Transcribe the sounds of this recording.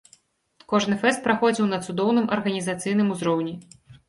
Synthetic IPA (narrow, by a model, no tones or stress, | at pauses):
kɔʐnɨfɛst̪̚pɾaxɔd͡zʲiwnɐt̪sud̪ɔwnɨmʔɐrɣɐnʲizat̪sɨjnɨmuzɾɔwnʲɛ